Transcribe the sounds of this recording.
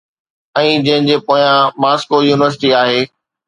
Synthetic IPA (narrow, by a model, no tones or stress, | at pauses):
ɛ̃ːd͡ʑɐ̃ɦɪ̃ɲ̆d͡ʑeːpoːjãmaːskojuːnɪʋəɾs̬ɪ̥ʈiaːɦeː